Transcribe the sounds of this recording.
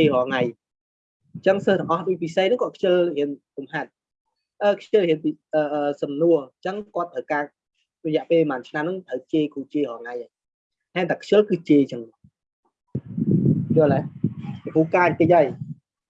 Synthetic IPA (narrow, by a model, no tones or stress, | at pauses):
eːɦɔːŋaj | t͡ɕəŋsəːht̪əŋʔɑhɗipisehnɨŋkoəkʰjɨlhiənkumɦat̪̚ | ʔəːkʰjəlhiənpiʔəːʔəːsɑmnuət͡ɕəŋkŏət̪̚ʰːəwkaː | rɔjɛ̆əʔpeːlmaːnt͡ɕʰnamnɨŋt̪ʰəwt͡ɕeːkʰuːt͡ɕeːhɔːŋaja | haɛnt̪ʰaːkʰjəlkɨːt͡ɕeːt͡ɕəŋ | joəla | kʰuːkaːc̚k̪əc̚ʔaːj